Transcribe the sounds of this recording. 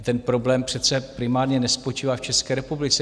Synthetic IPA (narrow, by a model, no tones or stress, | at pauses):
t̪ɛnpɾo̞blɛːmpr̥ɛt̪t͡sɛpɾɪmaːɾɲɛnɛspot͡ʃiːvaːft͡ʃɛskɛːɾɛpublɪt͡sɛ